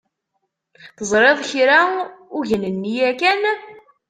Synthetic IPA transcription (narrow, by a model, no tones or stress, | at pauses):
θəzˤɾˤeðˤçɾauʝənənːijækæn